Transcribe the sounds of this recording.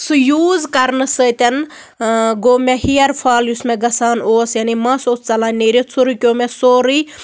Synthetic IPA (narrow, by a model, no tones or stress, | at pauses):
sujuːzkɐɾnɨsəːt̪ʲɐn | ɡoːmeɦiɐɾpʰaːljusmeɡɐsaːnoːsjanimɐsoːst͡sɐlaːneɾit͡sʰuɾikʲoːmesoːɾi